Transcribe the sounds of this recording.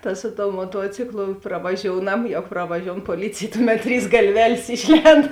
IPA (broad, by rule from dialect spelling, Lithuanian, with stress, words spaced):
tɐ ˈsʊ ˌtoːʊ moːˈtuɔt͡sʲɪklˠʊ prɐʋɐˈʒʲoːʊnɐm ˈjɛʊ prɐʋɐˈʒʲoːʊn poːˈlʲiːt͡sʲeːj ˈtʊˌmʲɛt ˈtʲrʲiːs ɡɐlʲˈʋʲæːlʲeːs ˈɪʃʲˌlʲɛnt